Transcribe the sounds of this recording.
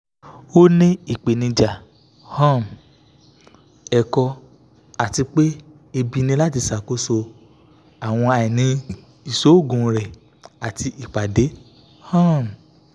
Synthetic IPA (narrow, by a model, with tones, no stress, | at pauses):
o˦nĩ˦i˦˨k͡pe˨nĩ˧d͡ʒa˨ | hã˦˨m˨ | ɛ˨kɔ˧ | a˨ti˧k͡pe˦ | e˧bi˧nĩ˧la˦ti˧sa˨ko˦so˧ | a˨w̃ɔ̃˧a˨i˨nĩ˧ | i˨so˨˦o˦˨ɡũ˨˧ɾɛ˨ | a˨ti˧ʔi˨k͡pa˨de˨˦ | hã˦˨m˨